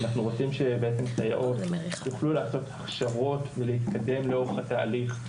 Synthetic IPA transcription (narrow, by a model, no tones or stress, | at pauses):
anaχnuʁo̞t͡simʃe̞beet͡se̞mktaja̰ʔodjuχlulaːso̞t̪aχʃavo̞tvelehit̪kad̪e̞mleo̞ʁeχat̪aːliχ